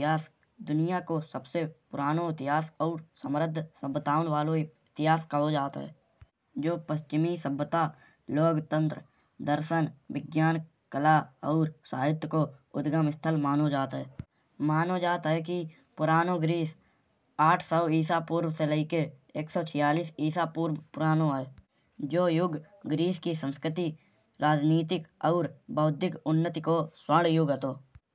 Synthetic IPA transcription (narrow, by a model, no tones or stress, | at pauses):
ɦaːs | d̪ʊnijakosəbsepʊɾaːnoɪt̪ɪɦaːsɔːɾsəmɾəd̪ʱːsəbːət̪aːʊnʋaːloɪt̪ɪɦaːskəɦod͡ʒaːt̪ɦɛ̰ː | d͡ʒoːpəʃt͡ʃɪmisəbːət̪a | loːɡt̪ə̃nt̪ɾə | d̪əɾʃənʋɪɡjaːn | kəlaɔːɾsaːɦɪt̪koʊd̪ɡəmɪst̪ʰəlmaːnod͡ʒaːt̪ɦɛː | maːnod͡ʒaːt̪ɦɛk̬i | pʊɾaːnoɡɾiːs | aːʈʰsɔːiːsapuːɾwəseləikeeːksɔːt͡ʃʰɪjaːliːsiːsapuːɾwpʊɾaːnoɦɛː | d͡ʒoːjʊɡ | ɡɾiːskisə̃nskɾɪt̪i | ɾaːd͡ʒniːt̪ɪkɔʊɾbəʊd̪ʱɪkʊnːət̪ikoswəɽjʊɡɦət̪oː